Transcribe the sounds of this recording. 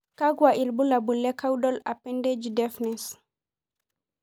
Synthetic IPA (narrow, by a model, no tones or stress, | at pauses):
kaɡwaʔilbulabulːɛkawdɔlapɛnded͡ʒidɛfnɛs